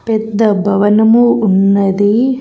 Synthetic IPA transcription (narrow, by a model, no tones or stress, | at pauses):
pɛd̪ːɐbʱɐʋɐnɐmuːnːɐd̪i